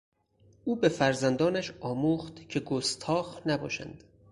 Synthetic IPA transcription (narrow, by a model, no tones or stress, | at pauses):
ʔuːbe̞fæɾzænd̪ɒːnæʃɒːmuːχt̪cʰe̞ɡost̪ʰɒːxnæbɒ̰ːʃæ̰nd̪̥